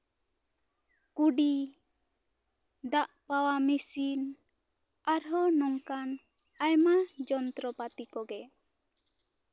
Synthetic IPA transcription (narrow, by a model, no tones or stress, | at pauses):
kuɖi | d̪aʔpawamisin | aɾɦɔnɔŋkan | ajmad͡ʒɔnt̪ɾɔpat̪ikɔɡɛ